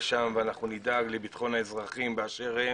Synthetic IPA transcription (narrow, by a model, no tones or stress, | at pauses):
ʃamveanaχnunid̪aɡlebit̪χo̞nhaezʁaχimbeaʃe̞ʁe